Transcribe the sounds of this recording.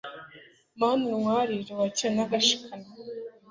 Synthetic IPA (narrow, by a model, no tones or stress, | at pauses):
manuŋwaːɾiɾewacenaɡaʃi̥kʰana